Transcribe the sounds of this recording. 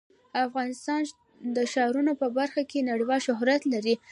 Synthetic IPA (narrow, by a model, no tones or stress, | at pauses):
afɣɑnɪst̪ɑn | d̪əʃɑɾunopəbaɾxakenaɽiwɑlʃʊɦɾat̪laɾi